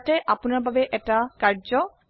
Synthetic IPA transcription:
ʈeʔaponaɾbʱabeʔɛʈakaɾd͡ʒɔ

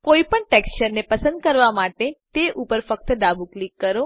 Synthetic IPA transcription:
koipəɳʈekst͡ʃəɾnepəsə̃nd̪kəɾʋamaʈet̪eʔupəɾfək̚t̪əd̪abuklikːəɾo

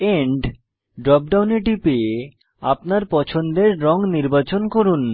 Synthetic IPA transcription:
eɳɖ | ɖɾɔp̚ɖawneʈipe | a̰p̚naɾpɔt͡ɕʰond̪eɾːɔŋniɾbat͡ɕonkoɾun

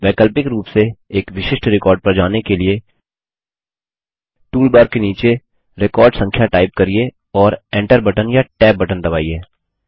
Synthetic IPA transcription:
ʋɛːkəlpɪkɾuːpseeːkʋɪʃɪʃʈɾɪkɔːɾɖ̚pɐɾd͡ʒaːnekelie | ʈuːlbaːɾkeniːt͡ʃe | ɾɪkɔːɾɖsɐ̃ŋkʰjaʈaːɪp̚kɐɾie | ɔːɾɛ̃ːɳʈəɾbɐʈənjaʈɛːp̚bɐʈənd̪ɐbaːiɛː

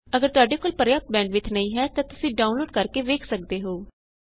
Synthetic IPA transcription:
əɡəɾt̪ʊaːɖeːkoːlpəɾjaːp̚t̪̚bɛ̃ːɳɖʋɪt̪ʰnəĩːɦɛːt̪ãːt̪ʊsĩːɖaːʊnloːɖkəɾkeːʋeːkʰsək̚d̪eːɦoː

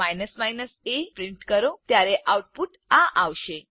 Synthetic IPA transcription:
ajnəsmajnəsepɾiɳʈkəɾot̪jaɾeʔawʈ̚puːʈ | aʔaʋɕe

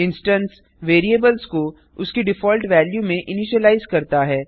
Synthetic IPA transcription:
ɪ̃nsʈə̃ns | ʋeːɾieːbəlzko | ʊskeɖɪfɔːlʈʋɛːljumẽʔɪniʃəlaːɪzkɐɾt̪aɦɛː

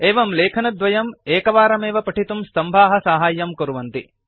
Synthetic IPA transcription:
eːʋɐmleːkʰɐnɐd̪ʋɐjɐmeːkɐʋaːɾɐmeːʋɐpɐʈʰit̪umst̪ɐmbʱaːɦɐsaːɦaːjːɐmkɐɾuʋɐnt̪i

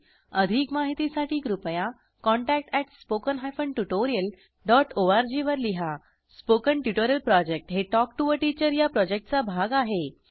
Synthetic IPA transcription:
əd̪ʱikmaɦit̪isaʈiːkɾupəja | kɔɳʈæk̚ʈɛʈspokənɦajfəɳʈuʈoɾijəl | ɖɔʈoaɾd͡ʑiʋəɾliɦa | spokəɳʈjuʈoɾjəlpɾɔd͡ʑek̚ʈɦeʈɔk̚ʈuʋəɾʈit͡ɕəɾjapɾɔd͡ʑek̚ʈt͡sabʱaɡaɦe

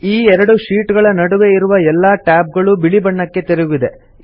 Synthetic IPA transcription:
iːɛɾɐɽuʃiːʈɡɐɭɐnɐɽuʋe̞iɾuʋɐɛlːaːʈaːp̚ɡɐɭubiɭibɐɳːɐkːe̞t̪eɾeɡuʋid̪e̞

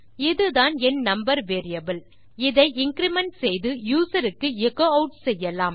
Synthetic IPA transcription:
ɪðɯðaːnɛnnɐmbɐɾʋeːɾɪjɐbɪl | ɪðɐɪʔɪŋkɪɾɪmɛɳʈsɛjðɯjuːsɐɾɯkːɯɛɣoːɐʊʈsɛjːɐlaːm

